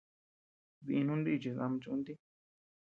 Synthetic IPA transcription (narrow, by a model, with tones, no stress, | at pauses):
βi˧nũ˦nd̪i˦˧t͡ʃi˨ða˧m̃˧t͡ʃu˧˦nd̪i˦